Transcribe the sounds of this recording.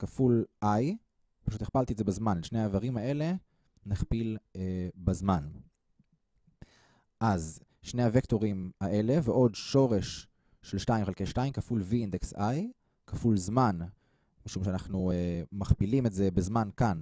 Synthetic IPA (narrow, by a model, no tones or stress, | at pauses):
kafulʔaj | paʃut̪iχpalt̪ietzebazmanelʃnehavaʁimae̞le̞ | neχpilebazman | ʔaz | ʃne̞jhavekto̞ʁimaʔe̞le̞veʔo̞dʃo̞ʁe̞ʃː | e̞lʃtaimχealkejʃtaimkafulviindeksaj | kafulzman | miʃumʃeanaχnuemaχpilimetze̞bezmankan